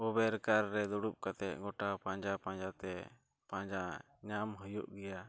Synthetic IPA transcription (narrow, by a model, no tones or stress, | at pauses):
ɔbɛɾkaɾːɛd̪ɔɽup̚kat̪ɛʔ̪̚ˀɡɔʈapãɲd͡ʒapãɲd͡ʒat̪ɛ | pãɲd͡ʒa | ɲamɦɔjuʔɡɛja